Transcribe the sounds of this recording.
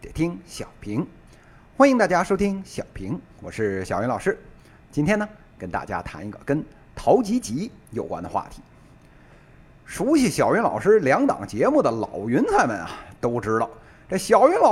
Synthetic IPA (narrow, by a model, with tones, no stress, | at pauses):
j̪jɛ̰˨˩t̪ʰi˥ŋɕjɑ˨˩ʊpʰi˧˥ŋ | xwa˥ni˧ŋt̪a˥˧˩t͡ɕja˥ʂo˥ʊt̪ʰi˥ŋɕjɑ˨˩ʊpʰi˧˥ŋwɔ̰˨˩ʂɻ̩˥˩ɕjɑ˨˩ʊɥy˧˥nlɑ˨˩ʊʂɻ̩˥ | t͡ɕi˥nt̪ʰjɛ˥nə˨ | kə˥nt̪a̰˥˩t͡ɕja̰˥t̪ʰa˧˥ni˧˥ɡə̰˧˩kə˥n | t̪ʰɑ˧˥ʊt͡ɕi˧˥t͡ɕi˧˥ | jo˨˩ʊkwa̰˥ndə˨xwa̰˥˩t̪ʰi̥˧˥ | ʂu˧˥ɕi˨˩ɕjɑ˨˩ɥy˧˥nlɑ̰˨˩ʊʂɻ̩˥ljɑ˧˥ŋt̪ɑ̰˨˩ŋt͡ɕjɛ˧˥mu˥˩d̪ə˩lɑ˨˩ʊɥy˧˥nsʰa˥˩ɪmə̰˨˩nɐ̰˨˩t̪o˥ʊʈ͡ʂɻ̩˥ɾɑ˨˩ʊ | ʈ͡ʂə˥˩ɕjɑ˨˩ʊɥy˧˥nlɑ˨˩